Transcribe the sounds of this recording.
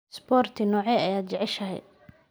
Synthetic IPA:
sbɔːrt̪ʰɪnɔːʕɛɐjaːd̪t͡ʃɛʕɛʃɐɦɛ̰

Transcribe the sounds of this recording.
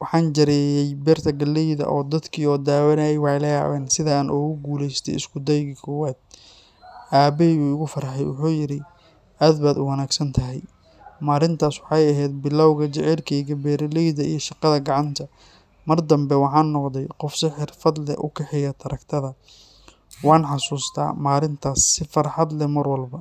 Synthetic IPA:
wɑħɑːnd͡ʒɐɾɛːjɛjbɛːrt̪ʰɐɡɐlːɛjðɐ̰ʔɔːd̪ɐd̪kʰiːɔːd̪aːwɐnajɛjwɑjlɐja̰ːβɛːnsɪðɐaːnʔʊːɣʊɡuːlɛjst̪ʰɛ̰jɪ̰skʰʊd̪ɛjɣɪkʰɔːwaːd̪̥̚ | ʔaːbɛuʊɣʊfɐɾħɛ̰jwʊ̰ħuːjɪɾɪ | ʔaːd̪baːd̪ʊwɐnaːɡsɐnt̪ʰɐɦɛj | maːɾɪnt̪ʰaːswɑħɑjɐɦɛːd̪̚bɪlawɣɐt͡ʃɪʕɛlkʰɛjɡɐbɛːɾɐlɛjd̪ɐʔijɞʃɑqɑðɐɡɑʕɑnt̪ʰɐ | mɐrd̪ɐmbɛwɑħɑːnːɔqd̪ɛjqɔfsɪħɪrfɐd̪lɛ̰ʔʊ̰kʰɛħɪjɐt̪ʰɐɾʔɐkt̪ʰɐðɐ | wɑːnħɑsuːst̪ʰa̰ːmaːɾɪnt̪ʰaːsːɪfɐrħɑd̪lɛmɐrwɐlbɐ

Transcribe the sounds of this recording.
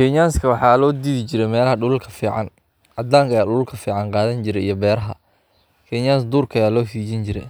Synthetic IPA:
kʰɛɲaːnskʰɐwɑħɑːlɔːd̪iːðɪt͡ʃɪɾɛjmɛːlɐɦɐɖʊlʊlkʰɐfiːʕɑ̰n | ʔɐd̪aːŋkʰɐjaːɖʊlʊlkʰɐfiːʕɑnqɑːðɐnt͡ʃɪɾɛjijɞbɛːɾɐɦɐ̰ | kʰɛɲaːnsd̪uːrkʰɐjaːlɔːsiːt͡ʃɪnt͡ʃɪɾɛ̰j

